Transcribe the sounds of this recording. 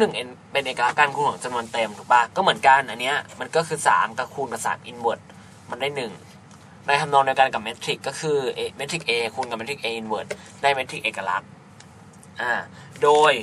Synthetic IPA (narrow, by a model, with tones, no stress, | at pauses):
nɯ˨˩ŋʔe˧npe˧nʔeː˨˩ka˧la˦˥kːaː˧nkʰuː˧nkʰːŋt͡ɕa˧mnu˧ənt̪e˧mt̪ʰu˨˩baː˧˩kɔː˥˩mɯ˩˦ənka˧nʔa˧nːi˦˥ɐma˧nkɔː˥˩kʰɯː˧sa̰ː˩˦mka˧˩kʰuː˧nka˧sa̰˨˩t̪̚ʔi˧nwɯ˨˩t̪̚ | ma˧ndaː˥˩jnɯ˨˩ŋ | na˧jt̪ʰa˧mnɔː˧ŋdiː˧wkaː˧nka˨˩p̚me˦˥t̪ʰɾi˨˩kːɔː˥˩kʰɯː˧ʔme˦˥t̪ʰɾi˨˩k̚ʔeː˧kʰuː˧nka˨˩me˦˥t̪ʰi˨˩ʔeː˧ʔi˧nwɯ˨˩t̪̚ | na˧˩jme˦˥t̪ʰɾi˨˩k̚ʔeː˨˩kːa˧la̰˦˥k̚ | ʔaː˧˩doː˧j